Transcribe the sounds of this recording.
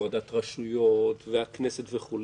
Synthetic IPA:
ad̪at̪ʁaʃujot̪veaknesetveχul

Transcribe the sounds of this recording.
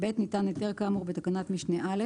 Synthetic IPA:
betnitaneteʁkamuʁbet̪akanatmiʃneʔale

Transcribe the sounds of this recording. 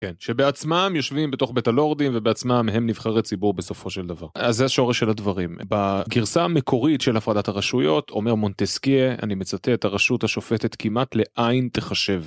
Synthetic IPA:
kenʃebeat͡smamjo̞ʃvimbet̪o̞χbetalo̞ʁd̪imvebeat͡smamɦe̞mnivχaʁlet͡sibuʁbe̞so̞fo̞ʃe̞ld̪avaʁazːeaʃo̞ʁeʃelad̪vaʁimbaɡiʁsaːmekʰo̞ʁitʃelafʁadathaʁaʃujo̞tʰo̞̰me̞ʁmo̞nt̪eskiea̰nime̞t͡sat̪eetaʁaʃutaʃo̞fet̪et̪kimatle̞ʔajint̪e̞χaʃe̞v

